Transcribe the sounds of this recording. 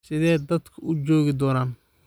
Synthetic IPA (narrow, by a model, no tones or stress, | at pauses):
sɪðɛːjd̪ɐd̪kʰɐʊd͡ʒɔːɣɪd̪ɔːnaːn